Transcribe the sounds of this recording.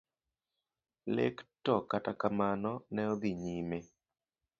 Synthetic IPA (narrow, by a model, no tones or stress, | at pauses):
lḛktɔkatakamanɔnɛɔd̪iɲime